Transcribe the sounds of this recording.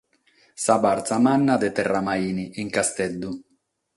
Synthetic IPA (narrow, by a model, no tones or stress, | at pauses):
sabaɾt̪samanːad̪et̪ɛrːamaiːniʔiŋkast̪ɛd̪ːu